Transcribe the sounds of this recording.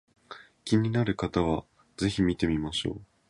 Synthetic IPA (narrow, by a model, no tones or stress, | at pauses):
kʲiɲ̟inaɾɯ̟kat̪aβ̞a | ze̞çimʲit̪e̞mʲimaɕo̞̰ː